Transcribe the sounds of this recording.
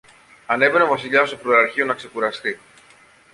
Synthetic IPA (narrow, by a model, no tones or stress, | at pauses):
ɐne̞ve̞nevɐsiʎɐst̪ofɾoɐɾçio̞nɐkse̞kuɾɐst̪i